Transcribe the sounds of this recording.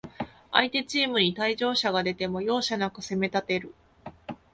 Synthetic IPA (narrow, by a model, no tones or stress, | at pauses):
a̰it̪e̞t͡ɕiːmɯ̟ɲ̟it̪aiʑo̞ːɕaɡad̪e̞t̪e̞mo̞jo̞ːɕanakɯ̟se̞me̞t̪at̪e̞ɾɯ̟